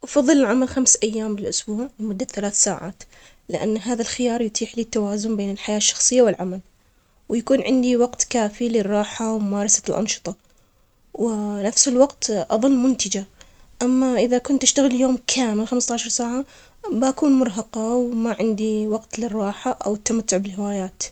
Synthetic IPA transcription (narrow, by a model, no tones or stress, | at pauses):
ʔɑfɑðˤːɨlɪlʕamalxamsʔajːaːmbɪlʔʊsbuːʕlɪmʊd̪ːaθalaːθsaːʕa̰ːt̪ | lɪʔa̰nːɦaːðalxɪjɑːɾˤjʊt̪ʰiːħliːt̪ːawaːzʊnbeːnɪlħajaːʃːɑ̥xsˤɨjːawɪlʕamal | wjakuːnʕɪnd̪iwɑɡt̪kaːfilɪrˤːɑːħawmʊmɑːɾˤɑsḁlʔɑ̰nʃɨ̥t̪ˤɑ | wɪnafsɪlwɑqt̪ʔɑðˤɨlːmʊnt̪ɪd͡ʒa | ʔamːaʔɪðakʊnt̪ʔɪʃt̪aɣɪljoːmkʰaːmɪlxamst̪ɑʕʃɑɾˤsaːʕa | baʔakuːnmʊɾˤɦɑqɑwmaʕɪnd̪iwɑqt̪lɪrˤːɑːħaʔa̰wɪt̪ːamat̪ːʊʕbɪlhɪwaːjaːt̪